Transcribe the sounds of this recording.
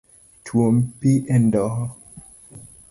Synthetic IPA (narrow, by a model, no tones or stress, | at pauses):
tʰwompiʔɛndɔhɔ